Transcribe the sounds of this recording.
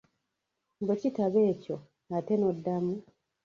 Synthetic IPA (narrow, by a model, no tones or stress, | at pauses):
mbecitaβe̞ːco̞ | nateno̞dːamu